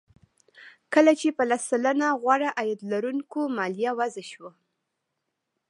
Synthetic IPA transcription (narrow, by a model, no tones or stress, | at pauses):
kəlat͡ʃepəlasːalanaɣwaɽaʔajad̪laɾunkomɑlijawazaʃwa